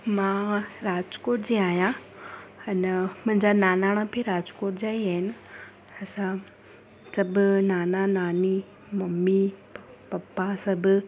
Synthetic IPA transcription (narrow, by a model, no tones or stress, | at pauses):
mãɾaːd͡ʑkoːʈd͡ʑeːaːɦijã | ɐnmʊ̃ɦɪ̃ɲd͡ʑanaːnaːɽ̃apʰeɾaːd͡ʑkoːʈ̚d͡ʑaːiaːɦɪnɪ | ɐsã | sɐbʊnaːnanaːni | mɐmːipɐpːasɐbʱ